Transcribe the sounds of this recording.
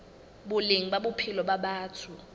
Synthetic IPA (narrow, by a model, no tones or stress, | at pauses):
ɓuliŋiɓaɓupʰilɔɓaɓaːtʰu